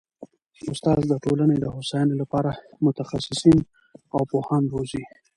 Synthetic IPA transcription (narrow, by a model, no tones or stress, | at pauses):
ʊst̪ɑzd̪əʈolaned̪əhosɑjanelapɑɾamʊt̪axasɪsin | awpohɑnd̪ɾozi